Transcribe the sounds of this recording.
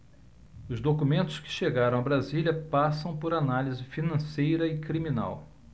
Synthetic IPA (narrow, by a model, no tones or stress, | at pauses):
ʊzd̪okumẽnt̪ʊ̥skɪ̥ʃeɡaɾɐ̃w̃ɐbɾazilʲɐpasɐ̃w̃pʊɾanalizɪfinɐ̃sejɾɐɪkɾimina̰w